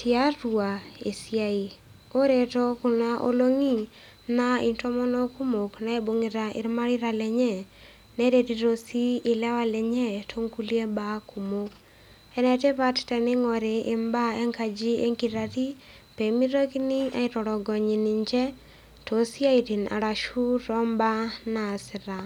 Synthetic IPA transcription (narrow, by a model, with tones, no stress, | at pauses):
tɪa˦ɾwa˨e˨sja˦i˨ | o˦ɾe˨tɔ˦ku˨na˦ʔo̰˦lo˦ŋi˦ | na˦i˨ntɔ˦mɔ˦nɔ˦ku˦mo˨kna˦e˦bo˨ŋi˨ɾa˨ɪ̰˨ɾma˦ɾɪ˦ɾa˨lɛ˨ɲɛ˦ | nɛ˦ɾe˨˦ti˨ɾo˦si˦ɪ˨lɛ˦wa˦lɛ˨ɲɛ˦tʰo˦ŋku˦li˦e˦ba˦ku˨mo˦k | ɛ˦nɛ˨tɛ˦pa˦ttɛ˨nɪ˦ŋɔ˨ɾɪ˨ʔɪ˨mba˦e˦ŋka˨d͡ʒi˦e˦ŋkiɾa˨ti˦ | pe˨mi˦ɾo˦ki˦ni˦a̰˦i˨tɔ˨ɾɔ˨ɡɔ˨ɲi˨ni˨ɲd͡ʒɛ˦ | to˨si˦a˦i˨ti˨na̰˨ɾa˨ʃu˦ɾɔ˦mba˦na˨sɪ˨ɾa˨